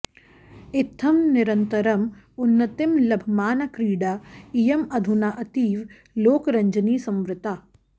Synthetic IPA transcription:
ɪt̪ʰːɐmnɪɾɐnt̪əɾɐmʊnːɐt̪ɪmlɐbʱmaːnɐkɾiːɖaijɐmɐd̪ʱunaʔɐt̪iːʋ | loːkɾɐ̃ɲd͡ʒəniːsɐ̃mʋɾɪt̪aː

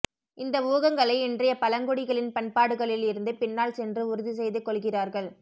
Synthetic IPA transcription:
ʔɪnd̪ɐʊʋɐɣɐŋɡɐɭɐɪɛndrɐjɐpɐlɐŋɡʊɽɪɣɐɭɪnpɐnpaːɽɯɣɐɭɪlɪɾɯnd̪ɯpɪnːaːlsɛndrɯʊɾɯðis̬ɛjðɯkːɔɭɣɪraːɾɣɐɭ

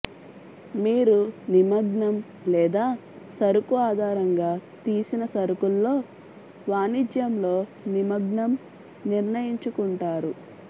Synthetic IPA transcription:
miːɾunimɐɡɳɐm | lɛːd̪aː | sɐɾukuaːd̪ʱaːɾɐŋɡaːt̪iːsinɐsɐɾukulːo̞ː | ʋaːnid͡ʒjɐmlo̞ː | nimɐɡɳɐm | niɾnɐjiɲt͡ʃukuɳʈaːɾu

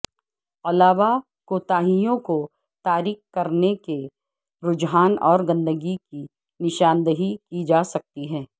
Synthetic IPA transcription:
ɐlaːʋa | koːt̪aːɦijõko | t̪aːɾiːkːkɐɾneke | ɾʊd͡ʒɦaːnɔːɾɡɐ̃nd̪əɡiki | nɪʃaːnd̪əɦikid͡ʒaːsɐk̚t̪iɦɛː

